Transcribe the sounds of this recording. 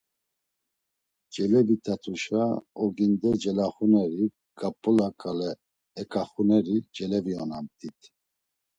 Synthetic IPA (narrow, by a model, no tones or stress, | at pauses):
d͡ʒɛlɛvit̪ʰʼat̪ʰʼuʃaɔɡind̪ɛd͡ʒɛlaχunɛɾi | ɡʼapʼːɔlakʼalɛː | kʰʼaχunɛɾid͡ʒɛlɛviɔnamt̪ʰʼit̪ʰ